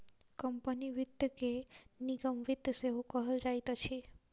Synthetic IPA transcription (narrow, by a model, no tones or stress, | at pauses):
kəmpəniʋɪd̪keniɡəmʋid̪seɦũkəɦəld͡ʒajt̪at͡ʃʰi